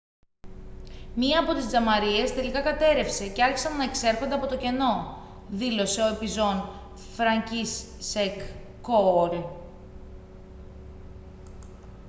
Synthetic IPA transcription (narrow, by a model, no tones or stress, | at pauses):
miɐːpo̞t̪izd͡zɐmɐɾie̞st̪e̞likɐkɐt̪e̞ɾe̞fse̞ceɐɾçi̥sɐnːɐe̞kse̞ɾxond̪ɐpo̞t̪o̞ce̞no̞ | ðilo̞se̞o̞e̞pizo̞n | fɾɐɲcisː | ekː | oɾe